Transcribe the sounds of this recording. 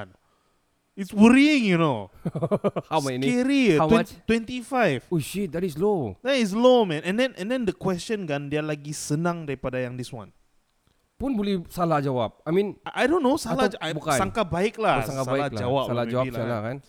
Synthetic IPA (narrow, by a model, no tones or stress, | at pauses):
n | itswəɾiɪ̃ŋjuno | hawkɛɾiaɛ̃t̪wɛ̃nt̪ifajvoʃit̚dɛtislodɛtis̬lomɛ̃nɛ̃ndɛ̃nʔɛ̃ndɛ̃ndəkwɛst͡ʃə̃nkãndialaɡisənãŋdaɾipadajãŋdiswã̰n | punbolɛhsalad͡ʒawap̚ajmĩnaʔajdõnːosalaabukaãŋkabaɪk̚lahsasŋkaalald͡ʒawap̚alad͡ʒawailaalakan